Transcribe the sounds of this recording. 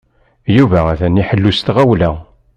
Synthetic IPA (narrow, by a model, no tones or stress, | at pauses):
juvææθæniħəlːust̪ʁæwlæ